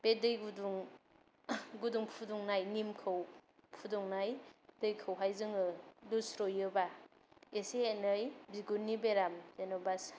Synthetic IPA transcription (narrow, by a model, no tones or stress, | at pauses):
b̥edɯjɡuduŋ | ɡuduŋpʰuduŋnajnimkʰɯw | pʰudɔŋnajd̥ɯjkʰɯwɦajzɯŋɯlusɾojɯba | eseːnɯjbiɡunːibeɾamzenɔbas